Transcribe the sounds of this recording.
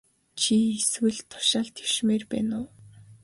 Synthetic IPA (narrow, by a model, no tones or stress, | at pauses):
t͡ɕʰieswɘ̆ɮt̪ʰʊ̥ʃaːɮt̪ʰe̥wʃmeːrpæ̰ːnʊː